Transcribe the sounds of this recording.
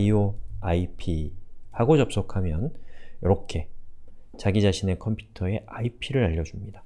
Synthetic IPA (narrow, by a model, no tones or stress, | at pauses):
ioaipʰihaɡot͡ɕʌp̚s͈okʰamjʌnjʌɾʌkʰe̞ | t͡ɕaɡid͡ʑaɕʰine̞kʰʌmpʰju̥tʰʌe̞aipʰiɾɯɾaʎːʌd͡ʑumɲida